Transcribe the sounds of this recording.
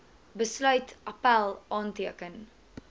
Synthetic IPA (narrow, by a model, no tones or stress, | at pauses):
bəslœɥtʔapælˠʔɑːntiəkən